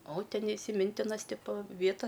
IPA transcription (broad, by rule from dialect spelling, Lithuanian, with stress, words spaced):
oː ˈtʲɛn ɪsʲɪˈmʲɪnʲtʲɪnɐs ˈtʲɪpoː ˈʋʲiɛtɐ